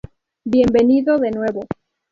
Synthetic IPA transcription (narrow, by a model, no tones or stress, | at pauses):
bje̞mbe̞niðoðe̞nwe̞βo